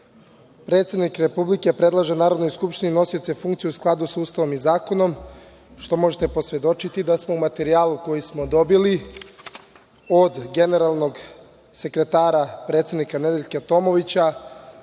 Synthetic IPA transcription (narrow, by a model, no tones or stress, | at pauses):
pɾe̞t̪sed̪nikɾe̞publike̞pɾe̞d̪lˠaʒenaːɾo̞d̪nojskupʃt̪inino̞sijot̪sefuŋkt̪sijusklˠad̪usuːst̪aʋo̞mizaːko̞no̞m | ʃt̪o̞mo̞ʒet̪e̞po̞sʋe̞d̪o̞t͡ʃit̪id̪asmo̞umat̪e̞ɾiaːlˠuko̞jismo̞d̪o̞bili | od̪ɡe̞ne̞ɾalˠno̞ɡ | se̞kɾe̞t̪aːɾapɾet̪sʲed̪nikane̞d̪eʎʲket̪o̞mo̞ʋit͡ɕa